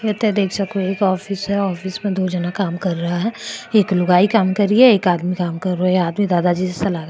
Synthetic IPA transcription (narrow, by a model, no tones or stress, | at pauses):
jet̪ːɛd̪eːkʰsɐkoeːkɔːfɪsɦɛɔːfɪsmẽd̪oːd͡ʒɐnakaːmkɐɾːɐɦaɦɛːeːklʊɡaːikaːmkɐɾiɦɛeːkaːd̪mikaːmkɐɾːoeaːd̪mid̪aːd̪ad͡ʒisesɐlaːɡ